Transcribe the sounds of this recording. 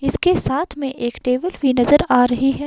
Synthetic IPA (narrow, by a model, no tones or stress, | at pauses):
ɪskesaːt̪ʰmẽʔeːkʈeːʋəlbʱinɐzəɾaːɾɐɦiɦɛː